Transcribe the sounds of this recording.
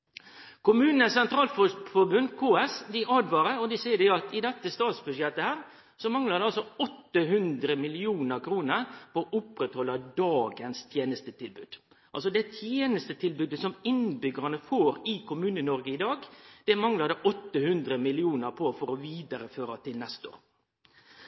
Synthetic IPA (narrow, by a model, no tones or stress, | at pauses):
kʊmʉːnn̩əsɛnt̪ɾɑːlffɔbʉnkʰoːɛsd̪ɪʔɑːd̪ʋɑɾəɔd̪ɪsɛɪəd̪ɛɑt̪ɪd̪ɛt̪ːəst̪ɑːt̪sbʉʂɛt̪ːəhæːɾ | sɔmɑŋlɑʁd̪ɛɑlsɔɔt̪ːəɦʉnd̪ɾəmɪlɪuːnəɾkʰɾuːnəɾpɔʔʊpːɾɛt̪hɔlːɑd̪ɑːɡənst̪ʰjeːnəst̪ət̪ʰɪlbʉ̰ːd̪̥ | ʔɑlsɔd̪ɛt̪ʰjeːnəst̪ət̪ʰɪlbʉːd̪əsɔmɪnbʏɡəɑnəfoːɾɪkʊmʉːnənɔɾɡəɪd̪ɑːɡd̪̥ɛmɑŋlɑd̪ɛʔɔt̪ːəhʉnd̪ɾəmɪlɪuːnəɾpʰɔfɔɾɔʋiːd̪ɑɾəføːɾɑt̪ʰɪlnɛst̪o̰ːɾ